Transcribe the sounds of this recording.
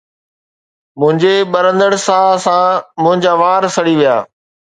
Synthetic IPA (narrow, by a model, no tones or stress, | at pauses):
mʊ̃ɦɪ̃ɲd͡ʑeɓəɾə̃nd̪əɽsãsãmʊ̃ɦɪ̃ɲd͡ʑaːʋaːɾsəɽiʋija̰ː